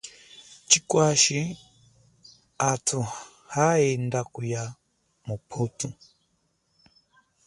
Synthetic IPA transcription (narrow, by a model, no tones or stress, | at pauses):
t͡ʃikwaʃi | atʰu | haɛndakuja | mupʰutu